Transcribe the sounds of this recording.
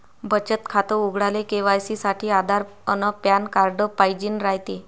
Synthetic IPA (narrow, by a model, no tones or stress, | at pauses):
bʱət͡ɕət̪kʰat̪əuɡɽalekeʋajsisaʈʰiːad̪ʱaɾ | ənəpjankaɾɖəpajd͡ʑiːnɾajt̪e